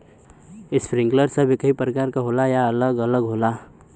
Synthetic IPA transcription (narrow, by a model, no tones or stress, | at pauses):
ɪspɾɪ̃ŋɡləɾsəbʱekəɦipɾəkaːɾkaɦoːlajaələɡələɡɦoːla